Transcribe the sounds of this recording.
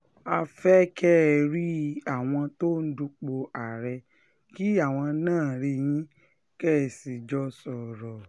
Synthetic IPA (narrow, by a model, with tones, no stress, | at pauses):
a˧fɛ˦kɛ˦˨ɾi˦a˨w̃ɔ̃˧to˦n̩˦du˧k͡po˧a˨ɾɛ˧ | ki˦a˦˨w̃ɔ̃˧nãː˦˨ɾi˧j̃ĩ˦ | kɛ˦˨si˨d͡ʒɔ˧˦sɔ˨ɾɔ˨